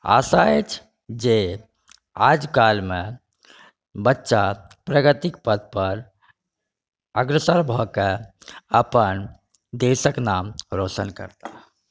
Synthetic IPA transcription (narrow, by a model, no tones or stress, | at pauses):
a̰saet͡ʃʰ | d͡ʒe | ad͡ʒkalme | bətːʃa | pɾəɡət̪ik̚pəd̪̚pəɾ | əɡɾəsəɾbʱɔkeəpən | d̪esəknamɾosənkə̰ɾt̪a